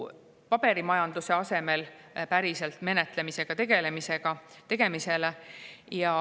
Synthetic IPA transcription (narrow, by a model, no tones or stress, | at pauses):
pɑb̥e̞ɾimɑjɑnd̪̥use̞ɑse̞me̞l | pæɾise̞lt̪me̞ne̞t̪lemise̞ɡ̥ɑt̪e̞ɡ̥e̞le̞mise̞ɡ̥ɑ | t̪e̞ɡ̥e̞mise̞lejɑ